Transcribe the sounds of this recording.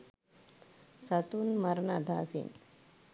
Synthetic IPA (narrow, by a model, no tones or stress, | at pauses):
sɐt̪unmɐɾnad̪ʱaːsḭn